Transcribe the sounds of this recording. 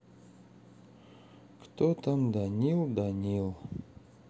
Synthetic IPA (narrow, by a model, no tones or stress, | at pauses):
kt̪ot̪amd̪anʲilˠd̪anʲilˠ